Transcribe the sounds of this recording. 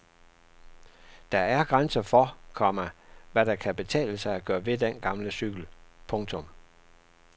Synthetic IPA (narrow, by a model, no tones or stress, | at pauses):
d̥ɑ̈æɐɡ̥ʁansɐfɒkʰɒmɐʋæɾ̥ɑ̈kʰæb̥e̝t͡sʰɛ̰ːləsɑ̈ɪæɡ̥ɶːɐʋe̝d̥enɡ̥ɑ̈mləsyɡ̥l̩pʰɔ̽ŋt͡sʰɔ̽m